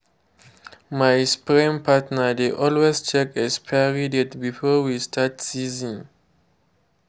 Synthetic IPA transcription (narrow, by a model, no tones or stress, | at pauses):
majspɹĩmpʰatnadeʔɔlwest͡ʃɛkɛspʰɛɹidɛtbifɔwistʰatsizĩŋ